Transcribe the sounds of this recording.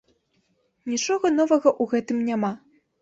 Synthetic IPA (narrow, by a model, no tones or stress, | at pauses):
nʲit͡ʂɔɣɐnɔvɐɣɐʔuɣɛt̪ɨmnʲama